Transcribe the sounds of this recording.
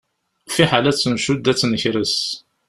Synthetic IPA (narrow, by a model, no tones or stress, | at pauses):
fiħalæt͡sːəmʃud̪æt͡sːnəçɾəs